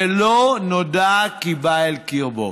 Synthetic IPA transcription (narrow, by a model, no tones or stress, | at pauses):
elonodakibaelkiʁbo̰